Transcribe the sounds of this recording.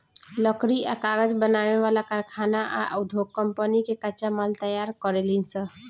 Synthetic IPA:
ləkɾiakaɡəd͡ʒbənaβeβalakəɾkʰanaʔa̰ʔəd̪ʱokːəmpənikekət͡ʃamalt̪əjaɾkəɾelinsə

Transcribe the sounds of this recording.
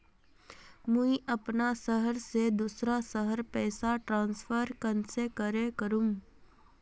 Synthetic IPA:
mũiʔɐpnasəɦəɾsed̪uːsɾasəɦəɾpɛːsaʈɾãːnsfʰəɾkənsekəɾẽkəɾũm

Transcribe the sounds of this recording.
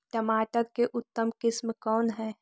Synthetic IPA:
ʈɐmaːʈəɾkeʔʊt̪ːəmkɪsmkɔːnɦɛː

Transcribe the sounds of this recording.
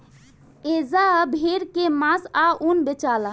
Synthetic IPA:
ezabʱeɾkemãsaʔunbet͡ʃala

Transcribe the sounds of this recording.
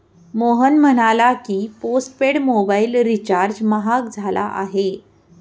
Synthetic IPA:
moɦənm̤əɽ̃alakiːposʈ̚peɽmobailɾit͡ɕaɾd͡ʑməɦak̚d͡zʱala̰ʔa̰ɦe

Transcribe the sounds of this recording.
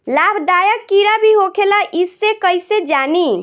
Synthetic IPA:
labʱɖajəkːiɾabʱiɦokʰelaʔisːekəjsed͡ʒani

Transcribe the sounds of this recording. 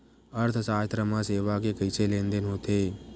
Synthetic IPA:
əɾt̪ʰsaːt̪ɾəmãseːʋakekəɪselẽːnd̪ənɦoːt̪eː

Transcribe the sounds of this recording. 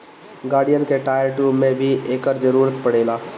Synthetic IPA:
ɡaːɽijənkeʈaːjəɾʈumẽbʱieːkəɾd͡ʒəɾuːɾət̪pəɽeːla

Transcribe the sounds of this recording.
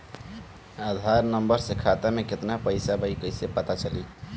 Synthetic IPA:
ad̪ʱaɾnəmbəɾsekʰat̪ameket̪napəɪsabəjkəjsepət̪at͡ʃəli

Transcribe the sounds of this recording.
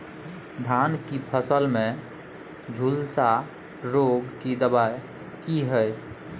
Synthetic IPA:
d̪ʱankipʰəsəlmẽ | d͡ʒʱulsa | ɾoɡkid̪əbaje | kiɦəj

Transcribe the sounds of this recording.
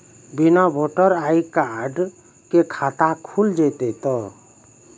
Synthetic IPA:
binabʱoʈɔɾajkaɖ | kekʰat̪akʰuld͡ʒet̪ɛt̪ɔ

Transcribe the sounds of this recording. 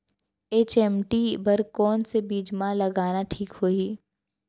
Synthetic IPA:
eːt͡ʃɛːmʈibɐɾkɔːnsebiːd͡ʒmãlɐɡaːnaʈʰiːkhoːiː

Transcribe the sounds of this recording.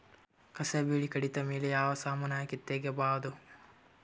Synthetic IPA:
kɐsɐbiːɭikɐɽit̪ɐmeːlejaːʋɐsaːmɐnaːjɐkit̪ːeːɡjɐbaːʋd̪u

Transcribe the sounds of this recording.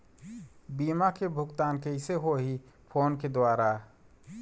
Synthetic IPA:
biːmakebʱʊɡt̪aːnkeɪseɦoɦi | pʰoːnked̪waːɾa

